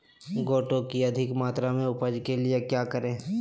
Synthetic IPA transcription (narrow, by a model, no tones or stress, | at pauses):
ɡoːʈõkiɐd̪ʱɪkmaːt̪ɾamẽʊpəd͡ʒkeliekjaːkəɾẽː